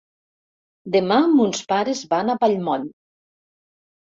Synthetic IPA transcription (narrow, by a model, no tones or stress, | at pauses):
d̪emamunspaɾezβanapaʎmɔn